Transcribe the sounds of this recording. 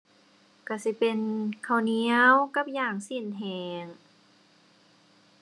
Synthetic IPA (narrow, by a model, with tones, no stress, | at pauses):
ka˧˩si˧˦pe˧nkʰa˧˩wni˧˥əwka˧˥p̚jaː˧˩ŋsi˧˩˨nɦɛː˧ŋ